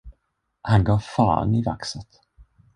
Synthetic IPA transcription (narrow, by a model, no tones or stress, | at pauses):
hanɡɑːfɑ̰ːɾ̰nɪva̰ksət̪